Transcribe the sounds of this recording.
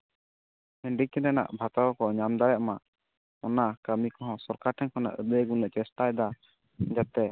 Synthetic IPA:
əɳɖik̪ɛnɛna̰ʔbʱat̪awɔkɔɲamd̪aɾɛʔma | ɔnakamikɔɦɔ̃sɔɾkaʈʰɛŋkɔna̰ʔəd̪əɡunlɛʔt͡ʃɛsʈaɛd̪a | d͡ʒat̪ɛ

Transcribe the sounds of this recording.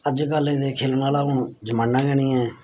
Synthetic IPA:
əd͡ʒkəlẽːd̪eːkʰeːlnaːlaːɦʊɳd͡ʒəmãːnːãːɡɛːɽiːɛ̃ː

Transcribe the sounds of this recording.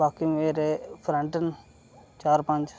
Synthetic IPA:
aːkimeːɾepʰɾãɳʈən | t͡ʃaːɾpɐ̃ɲd͡ʒ

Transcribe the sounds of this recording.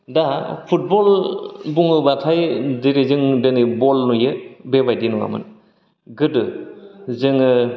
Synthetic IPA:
dapʰut̚bɔlbuŋɯbatʰajdiɾizɯŋdenibɔlnujɯbebajdinuwa̰mɯ̰n | ɡɯdɯ | zɯŋɯ

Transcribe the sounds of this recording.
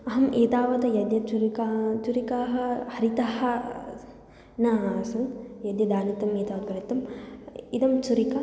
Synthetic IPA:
ɐɦɐmʔeːt̪aːʋɐt̪ɐjɐd̪jɐt͡ʃuɾikat͡ʃuɾikaːɦɐhɐɾit̪ahɐ | nɐsɐmjɐd̪jɐd̪aːnit̪ɐmeːt̪aːʋɐt̪̚bɐɾɐt̪ːɐmid̪ɐmt͡ʃuɾikɐ

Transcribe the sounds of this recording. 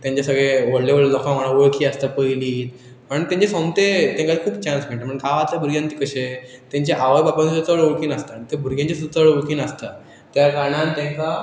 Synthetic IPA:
t̪jãɲt͡ɕjasəɡɭeʋəɽleʋəɭlɔkãm̤aɽ̃ãʋəɭkʰiːəst̪apəjliːt̪ | pəɳt̪jãɲt͡ɕesõmt̪et̪ẽŋkaikʰuːbt͡ɕãnsm̤eɳʈ̪aməɳkaʋat̪labʱuɾɡjãnt̪iːkəɕet̪jãɲt͡ɕeʔaʋəjbapãnsut̪əɭʋoɭkiːnəst̪aɳit̪ebʱuɾɡʱãɲt͡ɕesut͡s̪əɭoɭkiːnəst̪a | t̪jaɾkaɾɳãnt̪ẽŋka

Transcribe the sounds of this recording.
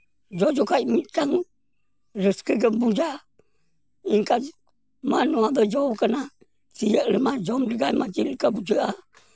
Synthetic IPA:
d͡ʒɔd͡ʒɔkajmitaŋ | ɾəskəɡəbud͡ʒa | iŋka | manoabəd͡ʒɔkana | tijəʔɾəmad͡ʒɔmdəɡajmad͡ʒilkabud͡ʒəʔa

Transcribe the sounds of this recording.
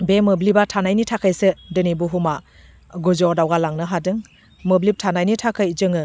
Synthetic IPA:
bemɯblibatʰanajnitʰakʰɯjsɯdɯnibuɦuma | ɡuzɔdawɡalaŋnɯɦadɯŋ | mɯblip̚tʰanajnitʰakʰɯjd͡ʒɯŋɯ

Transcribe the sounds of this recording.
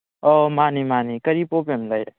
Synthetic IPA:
omanimanikəɾipopemlaj

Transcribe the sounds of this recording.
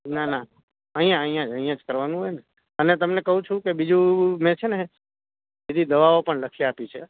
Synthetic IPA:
nana | əɦĩjãəɦĩjãd͡ʒə̃ɦĩjãd͡ʒkəɾʋanũɦojne | ənet̪əmnekəɦũt͡ʃʰũkebid͡ʒũmɛ̃t͡ʃʰene | bid̪ʱid̪əʋaopəɳləkʰiapit͡ʃʰe

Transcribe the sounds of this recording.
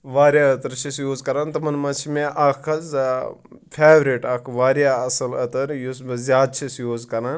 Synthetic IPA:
ʋaːɾjaːɐt̪ɐɾt͡ʃʰisjoːzkɐɾaːnt̪ɐmɐnmɐt͡ʃʰimẽʔɐkʰɐz | pʰeːʋɾiʈɐkʰʋaːɾjaːɐsɐlɐt̪ɐɾjusbɐzjaːd̪̚t͡ʃʰisjoːzkɐɾaːn

